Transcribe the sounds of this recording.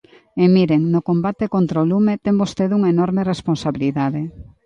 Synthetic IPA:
emiɾeŋnʊkombat̪ekont̪ɾaolumet̪ɛŋbost̪eðuŋaenɔɾmeresponsaβiliðaðe

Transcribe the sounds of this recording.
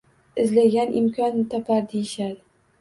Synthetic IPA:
ɪzlaɡʲanʔɪ̰mkʰɒnːɪt̪ʰɒpʰaɾd̪ejɪʃad̪ɪ

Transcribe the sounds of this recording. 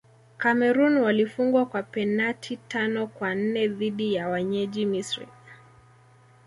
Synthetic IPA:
kamɛɾunwalifuŋɡwakwapɛnatʰitanɔkwan̩nɛðiɗijawaɲɛʄimisɾḭ

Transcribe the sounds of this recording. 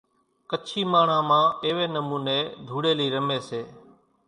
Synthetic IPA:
kət͡ʃʰiːmaːɳ̤ãːmãːeːʋeːnəmuːneːd̪ʱuːɽeːliːɾəmeːseː

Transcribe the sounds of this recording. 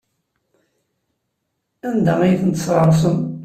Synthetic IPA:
ænd̪æ̰æjθənt̪əsʁəɾˤsən

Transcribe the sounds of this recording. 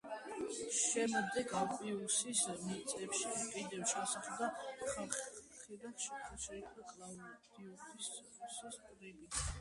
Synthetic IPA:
ʃɛmd̪ɛɡapʼiusismit̪sʼɛpʃikʼid̪ɛvʃɛsaχld̪aχa | χid̪aʃɛχʰɔʃiikʰʼlakʼlavd̪iɔt̪ʰisɔχʰɔsistʼɾili

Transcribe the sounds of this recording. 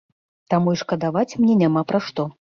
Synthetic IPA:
t̪amuiʂkɐd̪avat͡sʲmnʲɛnʲamapɾaʂt̪ɔ

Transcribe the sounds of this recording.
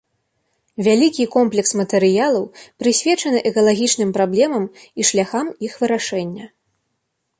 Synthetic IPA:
vʲalʲikʲikɔmplʲɛksmɐt̪ɛɾɨjalˠɐwpɾɨsʲvʲɛt͡ʂɐnɨʔɛkɐlˠaɣʲit͡ʂnɨmpɾablʲɛmɐm | iʂlʲaxamixvɨɾaʂɛnʲːɐ

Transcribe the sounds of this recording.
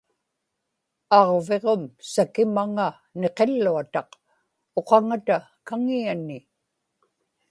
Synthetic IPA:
ɑʁve̞ʁomsakɪmaŋa | ne̞qe̞lːuat̪ɑq | o̞qɑŋat̪a | kaŋianːɪ

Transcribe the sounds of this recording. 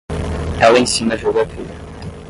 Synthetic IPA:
ɛlɐẽsĩnɐʒoɡɐfiɐ

